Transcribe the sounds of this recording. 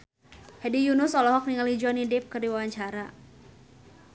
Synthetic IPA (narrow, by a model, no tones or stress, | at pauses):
hɛdijunʊsɔlɔɦɔk̚niŋalid͡ʒuanidɪp̚kərdiwawaɲt͡ʃaɾa